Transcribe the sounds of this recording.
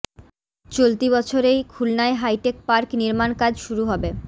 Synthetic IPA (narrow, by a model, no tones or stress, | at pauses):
t͡ɕolt̪ibɔt͡ɕʰoɾejkʰulnaeɦajʈek̚paɾkniɾmankad͡ʑʃuɾuɦɔbe